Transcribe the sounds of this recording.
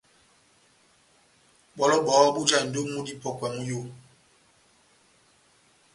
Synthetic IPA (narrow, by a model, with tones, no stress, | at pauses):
ɓɔ˦lɔ˦ɓɔː˨˦ɓu˦d͡ʒa˦˨n̩˨do˦mu˦di˦pɔ˦kwɛ˨mu˦jo˦